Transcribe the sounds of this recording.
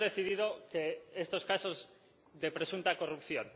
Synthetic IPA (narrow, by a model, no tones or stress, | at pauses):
ðeθiðiðokeest̪oskasoz | ðepɾesunt̪ako̞rupθjon